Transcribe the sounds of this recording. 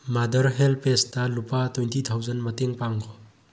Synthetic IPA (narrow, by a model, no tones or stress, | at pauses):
madɐɾɦelpestɐlupatwentitʰawzɐnmɐteŋpaŋkʰɔ